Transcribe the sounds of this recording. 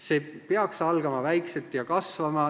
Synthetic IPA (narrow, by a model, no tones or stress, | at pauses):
se̞peɑksɑlɡ̥ɑmɑvæjkse̞lt̪jɑkɑsvɑmɑ